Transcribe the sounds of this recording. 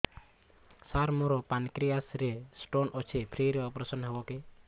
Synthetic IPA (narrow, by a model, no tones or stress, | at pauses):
saɾmuɾɔpankɾijasɾesʈonɔt͡ʃʰepʰɾiɾeɔpɾesɔnɦebɔke